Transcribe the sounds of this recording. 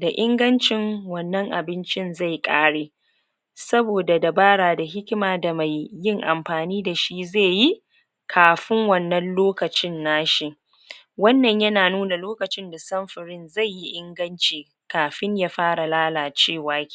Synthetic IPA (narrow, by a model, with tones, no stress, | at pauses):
da˨ʔɪ˦ŋɡɐ˦nt͡ʃɪ˦ŋwɐ˨nːɐ˦ŋʔa̰˨bɪ˦nt͡ʃɪ˦nza˦˨jkʼaː˦ɽeː˨ | sɐ˦boː˨da˨da˨baː˦ɽaː˨da˨ɦɪ˦kʲɪ˦maː˨da˨ma˨jːɪ˦˨ŋʔa̰˨mɸaː˨niː˦da˨ʃi˦zeː˦˨ji˦ | kʰaː˨ɸɪ˦ŋwɐ˦˨nːɐ˦nloː˦kɐ˨t͡ʃɪ˦nːaː˦ʃi˦˨ʔ | wɐ˦nːɐ˨ɲjɐ˦naː˨nuː˦na˨loː˦kɐ˨t͡ʃɪ˦nda˨sɐ˦mɸɪ˨ɽɪ˦nza˦˨jːi˦ʔɪ˦ŋɡɐ˦nt͡ʃiː˨ | kaː˨ɸɪ˦ɲjaː˦ɸaː˦ɽa˨laː˦laː˨t͡ʃeː˦˨waː˦kʲː